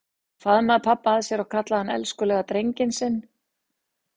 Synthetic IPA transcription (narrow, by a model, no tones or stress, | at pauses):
faðmaðpʰapːaːðsjɛɾaɣkʰat̪laðhanːɛ̰lskʏlɛːɣat̪ɾejɲcɪnsɪnː